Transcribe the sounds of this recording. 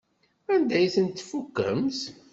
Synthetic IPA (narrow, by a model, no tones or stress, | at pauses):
ænd̪æjθənt̪ːfukːə̰ms